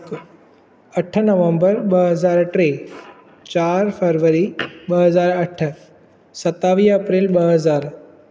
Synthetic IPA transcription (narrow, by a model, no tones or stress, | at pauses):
əʈʰːənəʋə̃mbəɾbəɦəzaːɾʈɾe | t͡ɕaːɾfʰeɾʋəɾibəɦəzaːɾəʈʰːə | sɐt̪ːaʋiːɐpɾelbəɦəzaːɾ